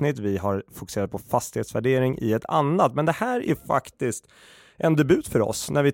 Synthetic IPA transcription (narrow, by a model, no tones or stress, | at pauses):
nɪt̪ːvɪɦaɾfʊkɵ̥seːɾat̪̚pʰɔfast̪ɪheːt̪svæɖeːɾɪŋʔɪ̰ɛt̪ʰa̰nːat̪mɛnd̪ɛhæːɾæ̰ɾfa̰kt̪ɪst̪ | ʔɛnd̪ɛbʉ̟ːt̪fœɾɔ̰snæɾvɪ